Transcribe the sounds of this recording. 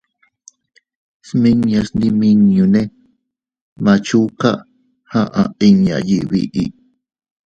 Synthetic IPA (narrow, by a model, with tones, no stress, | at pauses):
smi˦ŋjasnimiŋju˨ne˦ | mat͡ʃu˦ka̰˦ʔ | ha˦ʔai˦ŋja̰˨ji˨wḭʔḭʔ